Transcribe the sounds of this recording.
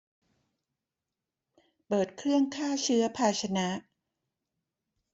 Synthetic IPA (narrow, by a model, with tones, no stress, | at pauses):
pɤː˨˩t̪̚kʰɾɯ˥˩əŋkʰaː˥˩t͡ɕʰɯ˦˥ɐpʰaː˧t͡ɕʰa˧na˦˥ʔ